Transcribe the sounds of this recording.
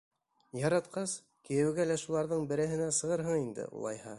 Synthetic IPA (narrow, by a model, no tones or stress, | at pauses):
jɑɾɑt̪qɑs | kĭjɘ̆wɡælæʃulˠɑɾðɤɴbɘ̆ɾɘ̆ɦɘ̆næsɤ̆ʁɤɾɦɤɴind̪ɘ̰ʔṵlˠɑ̰jhɑ